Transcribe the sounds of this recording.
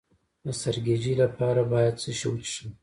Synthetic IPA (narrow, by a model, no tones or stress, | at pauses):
d̪əsaɾɡed͡ʒilapʰɑɾabɑjad̪̚səʃo̰wtʃi